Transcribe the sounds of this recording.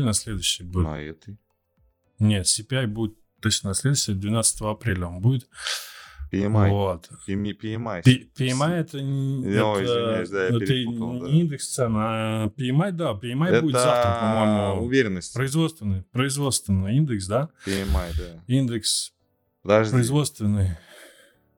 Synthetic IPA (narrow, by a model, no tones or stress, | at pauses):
lʲnɐsʲlʲed̪ʊɕːɪjbut̪ | nʲe̞t̪sʲɪpʲɪajbudʲɪt̪ | t̪ːot͡ɕnənɐsʲlʲed̪ʊsʲt̪ʲɪəd̪vʲɪnat̪sət̪əvəɐpɾʲelʲəonbudʲɪt̪ | pʲavot̪pʲɪɪmajpʲpʲɪɪmajɛt̪ənʲɛəd̪ajɛɨind̪ɨkst̪sɛnapʲɪɪmat̚ʲd̪apʲɪɪmajbudʲɪzafəɐmojmʊʊvʲeɾʲɪnːəsʲtʲpɾəɪzvo̞t̪st̪vʲɪnːɨjpɾəɪzvo̞t̪st̪vʲɪnːɨjind̪ɨksd̪apmajd̪aind̪ɨks | pd̪apɾəɪzvo̞t̪st̪vʲɪnːɨj